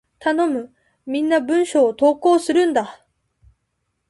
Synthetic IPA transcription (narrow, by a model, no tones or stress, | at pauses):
t̪ano̞mɯ̟ | mʲĩnːabɯ̟̃ɰ̃ɕo̞ːt̪o̞ːko̞ːsɨɾɯ̟̃nd̪a